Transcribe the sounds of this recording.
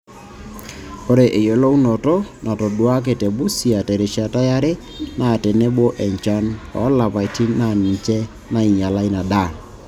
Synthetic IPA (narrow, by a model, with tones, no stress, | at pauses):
o˦ɾe˨ʔe˨jo˨lo˦u˦no˨tɔ˦nʔa˨to˨dwa˦k̬e˨tɛ˨bu˦si˨a˨tɛ˨ɾe˨ʃa˨ta˦ja˦ɾe˦ | na˦˨tɛ˨ne˦bo˦ʔɛ˨ɲt͡ʃa˦nɔ˨˦la˨pa˨ti˦na˨ni˨t͡ʃɛ˦ | na˦i˨ɲa˨la˦i˦na˨da˦˨